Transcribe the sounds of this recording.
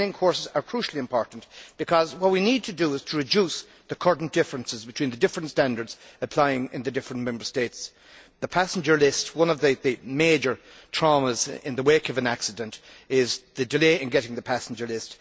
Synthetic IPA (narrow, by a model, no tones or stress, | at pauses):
nɪ̃ŋkʰɔɹsɪzə˞kʰɹ̥uʃl̩ˠiɨ̃mpʰɔɹʔn̩b̥ɨkʰʌzwʌt̚winid̚tʰɨdəɪz̥tʰəɹɨd͡ʒus | ðəkʰɔɹdⁿn̩d̥ɪfɹə̃nsɨzbɨtʰw̥ĩnðɨdɪfɹə̃ntstæ̃ndə˞dz̥əpʰl̥aɪɪ̃ŋɪ̰̃nðɨdɪfɹə̃nmɛ̃mbə˞steɪts | ðəpʰæsn̩d͡ʒə˞lɪstwʌ̃nʌvðɨðɨmeɪd͡ʒə˞ | tʰɹ̥ɑməzɪ̰̃nðəweɪkʌvɨ̃næksɨdɨ̃ntɪzðɨdɨleɪɪ̃nɡɛɾɪ̃ŋðɨpʰæsn̩d͡ʒə˞lɪst